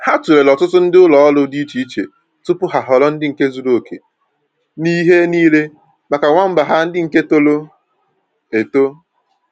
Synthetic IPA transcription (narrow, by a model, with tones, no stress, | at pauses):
ha˦tu˨ɾe˨lɔ˨tʊ˦tʊ˦n̩˦dɪ˦ʊ˦lɔ˨ɔ˦lʊ˦di˦i˦t͡ʃi˦i˦t͡ʃḛ˨ | tʊ˦pʊ˦ɦa˨ɦɔ˨lɔ˦n̩˦dɪ˦ŋ̩˨ke˦zu˦do˨kʰḛ˨ | ni˦ɦe˦niː˦le˦ | ma˨ka˨ŋʷa˦m̩˦ba˨ɦa˦n̩˦dɪ˦ŋ̩˨ke˦to˦lo˦ | e˨to˦